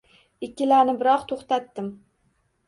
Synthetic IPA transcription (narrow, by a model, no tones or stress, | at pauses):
ɪkʲʰːɪlanɪbɪɾɒqt̪ʰoχt̪at̪ːɪm